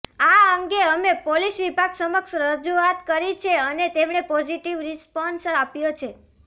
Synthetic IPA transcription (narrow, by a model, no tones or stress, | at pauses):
aəŋɡeəmepolisʋibʱaɡsəməkʃɾəd͡ʒuat̪kəɾit͡ʃʰeənet̪emɳepɔd͡ʒiʈiʋɾispɔnsapjot͡ʃʰe